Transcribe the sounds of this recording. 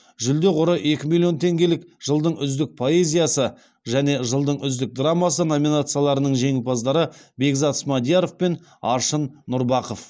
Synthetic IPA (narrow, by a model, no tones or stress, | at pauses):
ʒʏld̪e̞qʊɾəʔe̞kʲɪmilˠijo̞nt̪ʰe̞ŋɡʲe̞lɪkʒ̥əlˠd̪əɴʏzd̪ɪk̚pʰo̞e̞zʲijasə | ʒæne̞ʒəlˠd̪əɴʏzd̪ɪk̚d̪ramːɑsəno̞mʲinat̪sɨjalˠɑɾənəɴʒe̞ŋɪlbɑzd̪ɑɾəbe̞ɡzɑt̪smɑd̪ijaɾo̞fpe̞n | ɑ̰ɾʃənːʊɾbɑqof